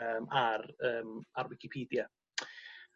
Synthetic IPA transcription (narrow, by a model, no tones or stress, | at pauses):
əːmarəːmarwɪkʰɪpʰiːdja